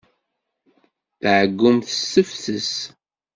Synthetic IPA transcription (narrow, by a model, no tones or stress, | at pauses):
θʕəɡːʊmθəsːəfθəs